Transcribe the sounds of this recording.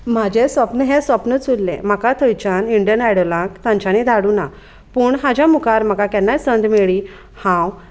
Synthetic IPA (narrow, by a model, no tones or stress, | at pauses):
m̤ad͡ʑʱesʋəpnəɦesʋəpnət͡sulːɛ̰̃m̤akat̪ʰəjt͡ɕaniɳɖjənaɽolãkt̪ãɲt͡ɕanid̪ʱaɽuːna | puːɳɦad͡ʑamukaɾm̤akakɛnːasənd̪meɭi | hãw